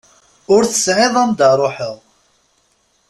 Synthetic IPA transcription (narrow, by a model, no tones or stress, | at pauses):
ʊɾθə̥sʕɪðˤamd̪əɾˤoħəðˤ